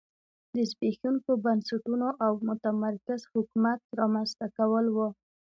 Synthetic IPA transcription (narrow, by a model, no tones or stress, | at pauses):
d̪əzbexuŋkobansaʈunoʔawmʊt̪amaɾkazhʊkumat̪̚ɾɑmanzt̪akawəlwo